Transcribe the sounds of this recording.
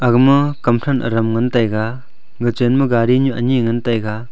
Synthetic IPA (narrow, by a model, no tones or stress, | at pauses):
aɡmɯkɐmtʰanʔɐ̰ɾɐmŋɐntajɡa | ɡɯt͡ʃenmɯɡaɾiɲuʔɐ̰niŋɐntajɡa